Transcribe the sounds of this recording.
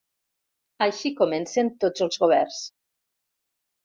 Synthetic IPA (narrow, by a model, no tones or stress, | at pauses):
ajʃikomɛnsent̪od͡zəlˠzɣoβ̞ɛrs